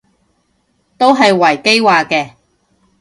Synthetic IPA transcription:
t̪o˥wɦɐ˨jwɐ˨˩jke˥jwaː˨kɛː˧

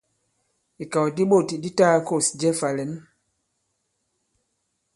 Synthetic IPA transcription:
i˨ka˨wdi˦ɓo˦˨ti˨di˦ta˦ko˦˨sd͡ʒɛ˦fa˨lɛ˨˦n

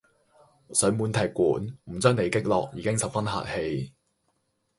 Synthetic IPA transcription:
sɵ˨˥ɥmuː˨˧nt̪ʰɐ˨˩jkuː˨˥nm̩˨˩t͡sœː˥ŋne˨˥jkɪ˥k̚lɔ̰ː˨k̚jiː˨˧kɪ˥ŋsɐ˨˩w̚fɐ˥nha̰ː˨t̚he˧j

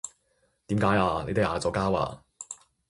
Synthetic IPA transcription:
t̪iː˨˥mkaː˨˥jaː˧ne˨˧jt̪e˥haː˨˧t͡sɔː˨˧kaː˥wa̰ː˧

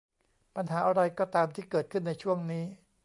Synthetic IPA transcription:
pa˧nɦaː˩˦ʔa˧ɾa˧jkɔː˥˩t̪aː˧mt̪ʰiː˥˩kɤː˨˩t̪̚kʰɯ˥˩nːa˧jt͡ɕʰu˥˩əŋniː˦˥

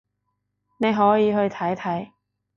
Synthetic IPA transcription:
ne˨˧jɦɔː˨˥jiː˨˧ɦɵ˧ɥt̪ʰɐ˨˥jt̪ʰɐ˨˥j

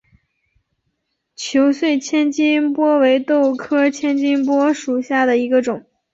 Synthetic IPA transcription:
t͡ɕʰjo˧˥ʊswe˥˩ɪt͡ɕʰjɛ˥nt͡ɕi˥npwɔ˥we˧˥ɪt̪o˥˩ʊkʰɤ˥t͡ɕʰjɛ˥nt͡ɕi˥ŋpwɔ˥ʂu˨˩ɕja˥˩d̪ə˩i˧˥ɡə˧ʈ͡ʂʊ˨˩˦ŋ

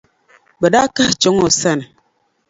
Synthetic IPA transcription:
bə˨da˦ka˦ht͡ʃo˨˦ŋo˨sa˦˨n˨

